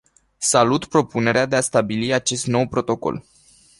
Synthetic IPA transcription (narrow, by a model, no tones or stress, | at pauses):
salut̪pɾo̞pune̞ɾead̪e̞ast̪abiliat͡ʃe̞st̪no̞wpɾo̞t̪o̞ko̞̰l